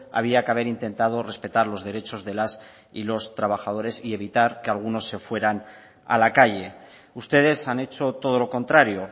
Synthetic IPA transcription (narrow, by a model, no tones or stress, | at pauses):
a̰β̞iakeaβ̞e̞ɾint̪ẽ̞nt̪að̞o̞re̞spe̞t̪aɾlo̞zðe̞ɾe̞t͡ʃo̞zðe̞las | ilo̞st̪ɾaβ̞axað̞o̞ɾe̞sie̞β̞it̪aɾkealɣuno̞sːe̞fwe̞ɾan | a̰lakaʝe̞ | ust̪e̞ð̞e̞sane̞t͡ʃo̞t̪o̞ð̞o̞lo̞ko̞nt̪ɾaɾjo̞